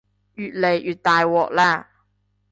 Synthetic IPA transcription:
jyː˨t̪̚le˨˩jʔyː˨˩t̪̚t̪aː˨jwɔː˨k̚lɛː˥˩

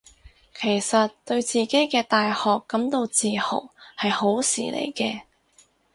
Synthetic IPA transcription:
kʰe˨˩jsɐ˨tt̪ɵ˧ɥt͡siː˨ke˨˥jkɛː˧t̪aː˨jhɔː˨kːɐ˨˥mt̪o˧wt͡siː˨ho̰˨˩whɐ˨jho˨˥wsḭː˨˩lʔḛ˨˩jkɛː˧

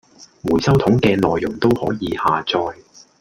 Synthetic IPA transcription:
muː˨˩jsɐ˥wt̪ʰʊ˨˥ŋkɛː˧nɔː˨jːʊ˨˩ŋt̪o˥whɔː˨˥jiː˨˧haː˨t͡sɔː˧j

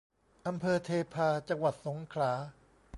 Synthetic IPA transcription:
ʔa˧mpʰɤː˧t̪ʰeː˧pʰaː˧t͡ɕa˧ŋwa˨˩t̪̚so˩˦ŋkʰɾaː˩˦

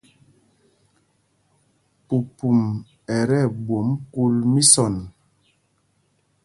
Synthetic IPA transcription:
pu˨pu˨m | ɛ˨ɾɛ˦˨bwo˨mku˦lmi˦sɔ˨n

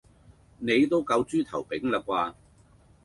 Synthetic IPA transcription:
ne˨˧jt̪o˥wkɐ˧wt͡ʃyː˥t̪ʰɐ̰˨˩wpɪ˨˥ŋlɐ˨˩k̚waː˧

